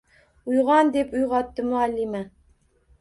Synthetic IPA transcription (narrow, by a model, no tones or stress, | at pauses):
ujʁɑnd̪epujʁɑt̪ːəmualːima